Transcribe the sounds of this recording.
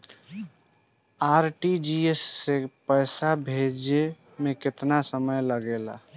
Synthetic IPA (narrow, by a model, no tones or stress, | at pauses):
aɾʈid͡ʒiesːepəjsabʱed͡ʒe | mekɪt̪nasəməjləɡela̰